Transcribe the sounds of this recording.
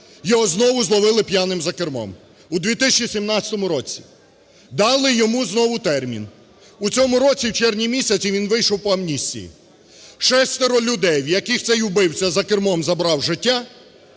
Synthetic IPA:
jɔɦɔznɔʋʊzlˠɔʋɪlˠɪpjanɪmzɐkermɔ̰m | ʊd̪ʋʲit̪ɪsʲɐt͡ʃisʲimnɑt͡sʲɐ̥t̪ɔmʊɾɔt͡sʲi̥ | d̪ɑlˠɪjɔmuznɔʋʊt̪ɛrmʲḭn | ut͡sʲɔmʊɾɔt͡sʲiwt͡ʃɛrnʲimʲisʲɐt͡sʲiʋʲinʋɪjʃɔwpɔɐmnʲisʲt͡sʲḭjḭ | ʃɛst̪eɾɔlʲʊd̪ɛjwjɐkɪxt̪ɛjʊbɪwt͡sʲɐzɐkɪrmɔmzɐbɾɑwʒɪtʲːa

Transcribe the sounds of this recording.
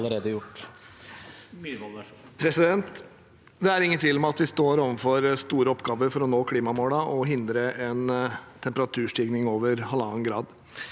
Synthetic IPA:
ləɾeːd̪əjʊʈː | pʰɾɛsɪd̪ɛnt̪ | d̪ɛæɾɪŋːənt̪ʰʋɪːlmɛɑt̪ʋɪst̪oːɾoːʋənfɔɾst̪uːɾəɔpːɡɑːʋəɾfɔɾɔnoːkʰliːmɑmoːləʔɔɦɪnd̪ɾəʔɛnt̪ʰɛmpəɾɑt̪ʰʉːʂʈiːɡnɪŋoːʋəɾhɑlɑːnɡɾɑːd̪

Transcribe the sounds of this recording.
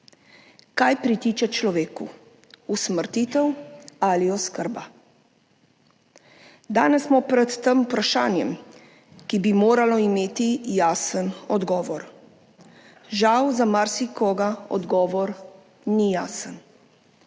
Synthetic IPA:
kajpɾit̪iːt͡ʃɛt͡ʃlɔʋeːku | usməɾt̪it̪ɛwaliɔskəɾba | d̪aːnɛsmɔpɾɛt̪ːəmupɾaʃaːnjɛm | kibimoːɾalɔimeːt̪ijaːsənɔd̪ɡɔːʋɔɾ | ʒawzamaɾsikɔːɡaɔ̰d̪ɡɔːʋɔɾ | nijaːsən

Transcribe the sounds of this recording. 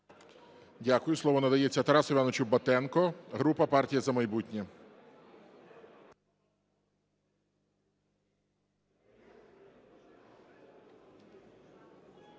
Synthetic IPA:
dʲakʊjʊslˠɔʋɔnɐd̪ɐjet͡sʲːɐt̪ɐɾɑsʊʋʲjanɔt͡ʃʊbɐt̪ɛnkɔɦɾupɐpɑrtʲijɐzɐmɐjbutʲnʲɛ

